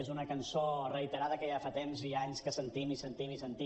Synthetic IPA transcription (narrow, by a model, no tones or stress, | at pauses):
ezunəkənsorəit̪əɾað̞əkəjafat̪emziaɲskəsənt̪imisənt̪imisənt̪i